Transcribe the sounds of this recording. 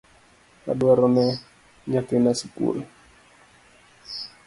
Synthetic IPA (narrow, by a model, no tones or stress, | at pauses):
ka̰duaɾonɛ | ɲat̪inasipṵl